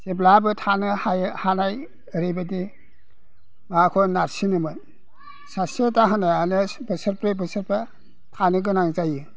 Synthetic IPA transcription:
seblabɯtʰanɯhajhanaj | ɾibadi | makʰɔnaɾsinɯmɯ | sasetaɦanaanɯbɯsɐɾpɾebɯsɯɾpa | tʰanɯɡɯnaŋzajɯ

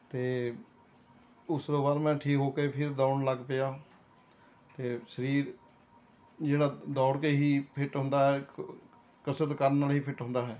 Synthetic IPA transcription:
t̪eː | ʊsd̪oːbaːɾmɛ̃ːʈʰiːkɦoːkeːpʰɪɾd̪aːɳləɡpejaː | t̪eːʃəɾiːɾ | d͡ʒeːɽaːd̪ɔːɽkeːɦiːpʰɪʈɦʊ̃nd̪aːɦɛː | kəsət̪kəɾənːaːlɦiːpʰɪʈɦʊ̃nd̪aːɦɛː

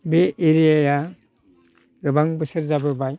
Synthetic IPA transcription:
beeɾijaja | ɡɯbaŋbɯsɯɾzabɯbaj

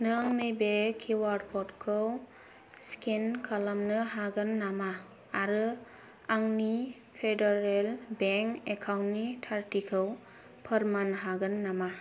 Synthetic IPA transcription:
nɯŋnɯjbekʰiwaɾdpʰɔtkʰɯw | skenkʰalamnɯɦaɡɯnːamaː | ɾɯ | aŋni | pʰedeɾelbeŋkekʰawntnitʰaɾtikʰɯw | pʰəɾmanɦaɡɯnːama

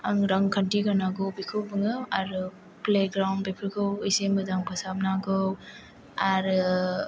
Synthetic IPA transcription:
aŋɾaŋkʰantiɡanaɡɯwbikʰɯwbɯŋɯaɾɯ | pleɡɾawnbepʰɯɾkʰɯwɯjsemɯdaŋpʰɯsap̚naɡɯw | aɾɯ

